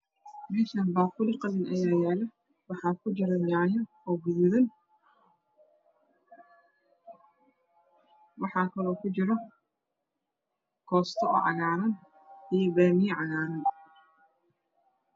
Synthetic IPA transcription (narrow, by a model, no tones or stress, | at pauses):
mɛːʃaːnbaːqʊlɪqɑðɪnʔɐjaːjaːlɛ | wɑħɑːkʰʊt͡ʃɪɾɐnaʕjɐ | ɔːɡʊðʊðɐn | wɑħɑːkʰɐlɔːkʰʊt͡ʃɪɾɔ | kʰɔːst̪ʰɔɔ̰ːʕɑɣaːɾɐn | ʔijɔbaːmijʕɑɣaːɾɐn